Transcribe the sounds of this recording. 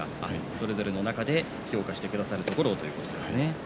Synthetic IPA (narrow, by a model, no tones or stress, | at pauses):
a̰aso̞ɾe̞zo̞ɾe̞no̞nakad̪e̞ | ço̞ːkaɕi̥t̪e̞kd̪asaɾɯ̟t̪o̞ko̞ɾo̞t̪o̞jɯ̟ko̞t̪o̞d̪e̞sɨne̞